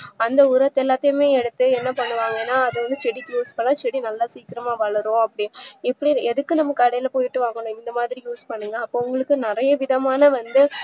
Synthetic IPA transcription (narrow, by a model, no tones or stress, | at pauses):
ɐnd̪ɐʊɾɐt̪ːɛlːaːt̪ːɐjmeːɛɽɯt̪ːɯɛnːɐpɐɳːɯʋaːŋɡɐnːaːɐðɯʋɐnd̪ɯt͡ʃɛɽik̪ːjuːspɐɳːãːt͡ʃɛɽinɐlːaːsiːk̪ɪɾɐmaːʋɐɭɐɾõɐpːɐɽɪɪpːɐɽiɛðɯkːɯnɐmːɐkːɐɽɐjɪlɐpoːjɪʈːɯʋaːŋɡɐɳʊ̃ɪnd̪ɐmaːðɪɾijuːspɐɳːɯŋɡɐːpːoːʊŋɡɐɭɯkːɯnɪɾɐjɐʋɪðɐmaːnɐʋɐnd̪ɯ